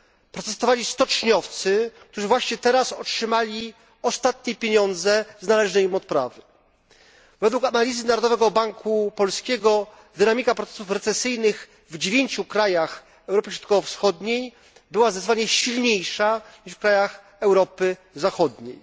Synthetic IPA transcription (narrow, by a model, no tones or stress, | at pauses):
pɾɔt̪ɛst̪ɔvalʲist̪ɔt͡ʂɲɔft̪sɘkt̪uʐɘvwaɕɲɛt̪ɛɾasɔtʂɘmalʲi | ɔst̪at̪̚ɲɛpʲjeɲɔnd̪zɛznalɛʐnɛjimɔt̪̚pɾa̰vɘ | vɛd̪wukanalʲizɘnaɾɔd̪ɔvɛɡɔbaŋkʰupɔlskʲɛɡɔ | d̪ɘnamʲikapɾɔt̪ɛ̥sufɾɛt̪sɛsɘjnɘx | vd͡ʑevʲjeɲt͡ɕukɾajax | ɛwɾɔpɘɕɾɔt̪̚kɔvɔfsxɔd̪ɲej | bɘwazɛzvaɲɛɕilɲejʂaɲiʂfkɾajax | ɛwɾɔpɘ | zaxɔd̪ɲḛj